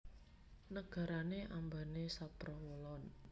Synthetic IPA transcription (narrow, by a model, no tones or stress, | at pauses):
nəɡ̥a̤ɾaneʔambanesapɾɔwəlɔn